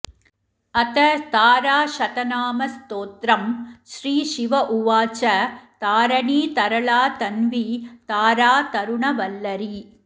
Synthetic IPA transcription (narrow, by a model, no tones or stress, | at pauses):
ɐt̪ɐt̪aːɾaːʃɐt̪ɐnaːmɐst̪oːt̪ɾɐmʃɾiːʃiʋɐʔuʋaːt͡ʃɐt̪aːɾɐɳiːt̪ɐɾɐɭaːt̪ɐnʋit̪aːɾaːt̪ɐɾʊɳɐʋɐlːɐɾi